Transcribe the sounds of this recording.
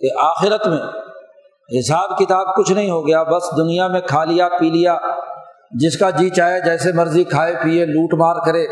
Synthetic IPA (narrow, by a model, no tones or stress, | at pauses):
keʔaːxɪɾət̪mẽː | ɦɪsaːbkɪt̪aːb̚kʊt͡ʃʰnɐɦĩɦoːɡɐjaːbɐsd̪ʊnijamẽkʰaːlijapiːlɪjaː | d͡ʒɪskad͡ʒiːt͡ʃaːjad͡ʒɛːsemɐɾzikʰaːepieluːʈmaːɾkəɾeː